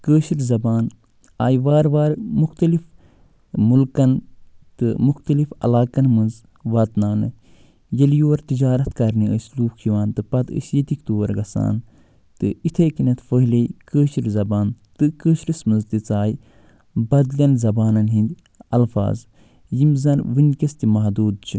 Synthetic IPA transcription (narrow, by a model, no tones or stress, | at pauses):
kəːʃiɾzɐbaːn | aːjʋaːɾʋaːɾmuxt̪ɐlif | mulkɐnt̪ɨmuxt̪ɐlifɐ̰laːkɐnmɨnz | ʋɐt̪naːnɨ̰ | jɐljoːɾt̪id͡ʒaːɾɐt̪kɐɾniəsluːkʰiʋaːnt̪ɨpɐd̪ə̰sjit̪ikt̪oːɾɡɐsa̰ːn | t̪ɨit̪ʰeːkinɐt̪ʰfəɦlejkəːʃiɾzɐbaːnt̪ɨkəːʃɾismɨnzt̪it͡saːj | bɐd̪lʲɐnzɐbaːnɐnɦĩnd̪ʲ | ɐlfa̰ːz | jimzɐnʋɨnʲkɐst̪imɐɦd̪uːd̪̚t͡ʃʰi